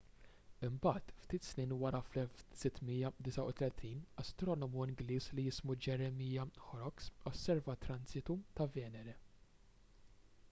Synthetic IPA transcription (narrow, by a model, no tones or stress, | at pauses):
ɪmbɐːt̪ft̪iːt̪sniːnwɐɾɐflɛlfsɪt̪ːmijɐd̪ɪsɐʊt̪lɛt̪ʰiːnɐst̪ɾɔːnɔmuɪŋɡliːslijɪsmud͡ʒɛɾɛmiːjɐħɔɾɔksɔsːɛɾvɐt̪ɾɐnzɪt̪ut̪ɐvɛːnɛɾɛ